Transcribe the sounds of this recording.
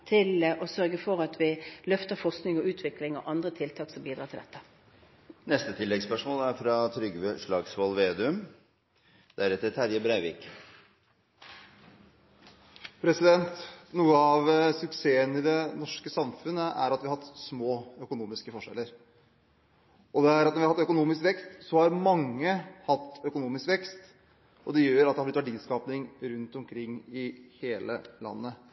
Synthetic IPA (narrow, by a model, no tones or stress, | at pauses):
t̪ʰɪlɔsœɾɡəfɔʁɑt̪ʰʋɪlœft̪əfɔʁsknɪŋɔʉːt̪ʰʋɪklɪŋɔʔɑnd̪ɾət̪ʰɪlt̪ʰɑːksɔmbiːd̪ɾɑːt̪ʰɪld̪ɛ̰t̪ːə̥ | nɛst̪ət̪ʰɪlːɛɡspœʂmoːlæɾfɾɑt̪ʰɾʏɡʂɭɑːɡsʋɔlʋeːd̪ʉm | d̪̥æɾɛt̪ːəɾt̪ʰæɾjəbɾæɪʋɪːk | pʰɾɛsɪd̪ɛnt̪nuːəɑʋsʉkseːənɪd̪ɛnɔʂkəsɑmfʉnːəʔæ̰ɾɑt̪ʋɪɑhɑt̪ːsmoːœkʊnuːmɪskəfɔʂɛ̰lːəɾ | ʔɔd̪ɛæɾɑt̪nɔʋɪhɑhɑt̪ːœkʊnuːmɪskʋɛkst̪sɔhɑɾmɑŋːəhɑt̪ːœkʊnuːmɪskʋɛkst̪ | ɔd̪ɛjøːɾɑt̪d̪ɛhɑblɪt̪ʋæɖiːskɑːpnɪŋɾʉnt̪ɔmkʰɾɪŋːɪheːlə̰lɑ̰nːə